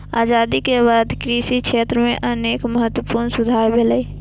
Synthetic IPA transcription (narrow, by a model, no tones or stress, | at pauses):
aːd͡ʒaːd̪ikebaːd̪kɾiːsikʃeːt̪ɾəmẽʔəneːkməɦət̪ːwəpuːɾnsʊd̪ʱaːɾbʱeləi